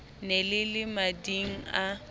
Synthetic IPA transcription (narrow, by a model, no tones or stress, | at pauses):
nelɪlɪmadiŋ̩a